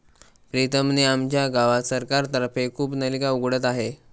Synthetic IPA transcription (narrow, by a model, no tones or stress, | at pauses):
pɾit̪əmniamt͡ɕjaɡaʋasəɾkaɾt̪əɾəfekʰuːpnəlikauɡɽət̪aɦe